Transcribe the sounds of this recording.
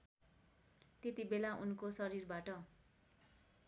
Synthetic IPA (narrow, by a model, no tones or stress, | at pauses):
t̪et̪ibelaʔunkosʌɾirbaʈʌ